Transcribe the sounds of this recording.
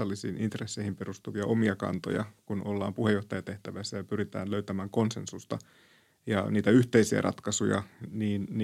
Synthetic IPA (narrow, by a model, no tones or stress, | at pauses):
ɑlːisḭːnint̪resːeihimperust̪uʋiɑʔomiɑkɑ̰nt̪o̰jɑ̰kunʔolːɑ̰ːmpuhejoht̪ɑjɑt̪eht̪æʋæisːæjɑpyɾit̪æ̰ːløyt̪æmæːŋko̞nsensust̪ɑ | jɑ̰niːt̪æyht̪eisiæ̰rʔɑ̰t̪kɑsujɑ̰niːnː